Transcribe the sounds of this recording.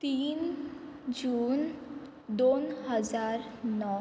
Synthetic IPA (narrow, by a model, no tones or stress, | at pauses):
t̪iːn | d͡ʑuːn | d̪onhəd͡zaɾnɔ